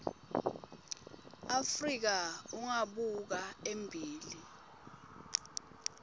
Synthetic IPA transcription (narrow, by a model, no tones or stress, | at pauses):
afrik̬auŋaɓuk̬aembʱiːli